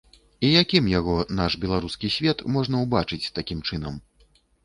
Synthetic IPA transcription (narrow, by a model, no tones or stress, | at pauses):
ijakʲimjaɣɔnaʐbʲɛlˠaɾuskʲisʲvʲɛt̪mɔʐnɐwbat͡ʂɨt͡sʲt̪akʲimt͡ʂɨnɐm